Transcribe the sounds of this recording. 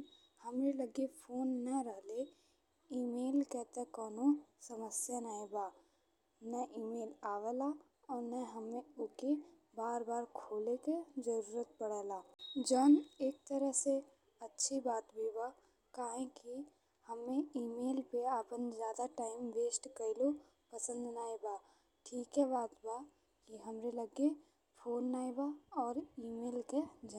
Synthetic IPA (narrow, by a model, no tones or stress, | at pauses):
hɐmeləɡipʰoːnːɐɾəɦle | iːmeːlkɛːt̪ekɔːnosəməsjanaebaː | nəʔiːmeːlaːʋəla | ɔːɾnəɦəmẽʊke | baːɾbaːɾkʰoːleked͡ʒəɾuːɾət̪̚pəɽəlaːd͡ʒəːneːk̚t̪əɾəɦse | ɐtːʃʰibaːt̪bʱiba | kaːɦẽki | həmːẽiːmeːlpeaːpənzjaːd̪aʈaːɪmʋeːsʈkəlo | pəsə̃nd̪naːibaː | ʈʰiːkɦɛbaːt̪ba | kiɦɐmɾeləɡe | pʰoːnːaːibaɔːɾiːmeːlked͡ʒ